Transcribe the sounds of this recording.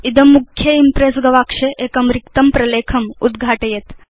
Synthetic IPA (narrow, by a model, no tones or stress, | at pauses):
id̪ɐmːukʰːjɐimpɾesɡɐʋakʂeʔekɐmɾikt̪ɐmpɾɐleːkʰɐmṵd̪ɡʱaːʈɐjet̪